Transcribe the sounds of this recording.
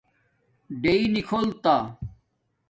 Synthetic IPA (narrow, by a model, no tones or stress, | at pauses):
ɖeinikʰoːlt̪aː